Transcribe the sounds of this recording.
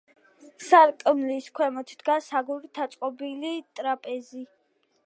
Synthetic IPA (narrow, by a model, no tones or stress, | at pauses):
saɾkʼmliskʰwɛmɔt̪ʰd̪̥ɡasaɡuɾit̪ʰat̪sʼqʼɔbilit̪ʼɾapʼɛzi